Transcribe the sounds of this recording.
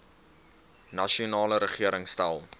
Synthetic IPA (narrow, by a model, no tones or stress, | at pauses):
nɐʃiunɑːləɾəχiəɾəŋstælˠ